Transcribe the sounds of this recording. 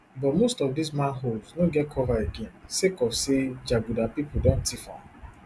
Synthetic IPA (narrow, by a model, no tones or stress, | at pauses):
bɔtmostɔvdismãnɦoldznoɡɛt̚kʰɔvaeɡɛ̃nsekɔsed͡ʒaɡudapipodɔ̃ntʰifã̰